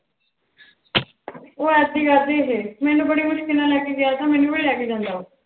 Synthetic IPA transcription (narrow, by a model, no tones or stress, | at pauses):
oːɛːd̪iːɡəɾd̪iːɦeːmɛ̃ːnũːbəɽiːmʊʃkɪlãːlɛːkeːɡɪjaːt̪ãːmɛːnũːbəɽiːlɛːkeːd͡ʒãːnd̪aːɦoː